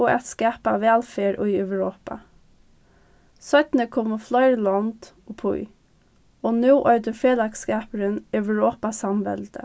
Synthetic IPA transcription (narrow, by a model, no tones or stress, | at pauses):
oːɛt̪skæːpaʋæːlfeːɹʔʊʏœʋɹoːpa̰ | sœt̪nəkʰɔmɔflɔɪɹlɑnd̪̥ | oːpʰʊ̰ʏ | oːnʉːʔœʏd̪əfeːlɑkskɑːpəɹənœʉʋɹoːpasɑmʋɛ̰ld̪ə̰